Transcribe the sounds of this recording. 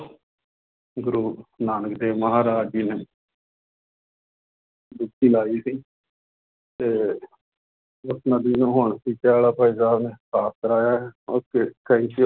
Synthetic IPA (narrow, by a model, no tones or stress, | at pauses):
ɡʊɾuːnaːnəkd̪eːʋməɦaːɾaːd͡ʒineː | d̪ʊkʰːiːlaːiːsiː | t̪eː | ʊsnəd̪iːnũːɦoːɳsiːtaːlaːpaːiːsaːbneːkʰaːst̪əɾaːjaːɦɛokekəiːt͡ʃi